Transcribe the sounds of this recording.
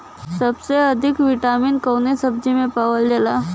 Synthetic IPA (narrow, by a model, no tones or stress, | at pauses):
səbseəd̪ʱɪkʋiʈaːminkəwnesəb̚d͡ʒimẽpaːʋəld͡ʒəlaː